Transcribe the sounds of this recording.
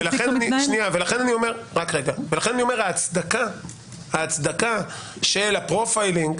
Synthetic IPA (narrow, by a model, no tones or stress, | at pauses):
velaenaniʃniavelaχe̞naniome̞ʁʁakʁeɡavelaχe̞nanio̞me̞ʁaːt͡sd̪aka | haːt͡sd̪aka | ʃelapʁofajliŋɡ